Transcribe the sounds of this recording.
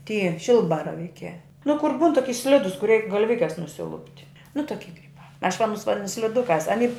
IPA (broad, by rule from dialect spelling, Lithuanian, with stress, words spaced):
ˈtʲiː ˈʃʲɪlˠbɐrɐʋʲiːkʲæː nʊ kʊr ˈbuːn toːˈkʲɪ ˈsʲlʲɪdʊs kʊr ˈrʲɛɪk ɡɐlʲˈʋʲɪkʲɛs nʊsʲɪˈlˠʊpʲtʲ nʊ toːˈkʲɪ kɐɪp ɐʃ ʋɐ ɐˈnʊs ʋɐˈdʲɪnʊ sʲlʲɪˈdʊkɑːs ɐˈnʲiː